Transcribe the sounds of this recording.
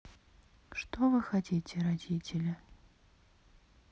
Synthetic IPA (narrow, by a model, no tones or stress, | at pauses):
ʂt̪ovɨxɐtʲitʲɪɾɐdʲitʲɪlʲɐ